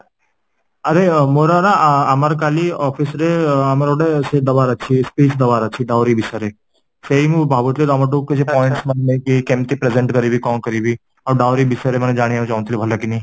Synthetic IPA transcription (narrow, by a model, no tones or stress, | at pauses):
ɐɾemoːɾaɾaɐməɾkaːliɔːpʰɪsɾeɐməɾoɽesed̪ɐʋaːɾɐːʃʰispiːt͡ʃd̪ɐʋaːɾaːt͡ʃʰiɖaːɾibɪsəɾe | seimubʱaːbut̪lid̪ɔməʈ̬uːkkːed͡ʒepɔːɪ̃ɳʈsmɐnemekikemt̪ipɾezẽɳʈkɐɾibikɔ̃ːkɐɾibi | ɔːɾɖaːwɾibɪsəɾemɐned͡ʒaːɽ̃ijãt͡ʃãːnt̪libʱɐlakinɐĩ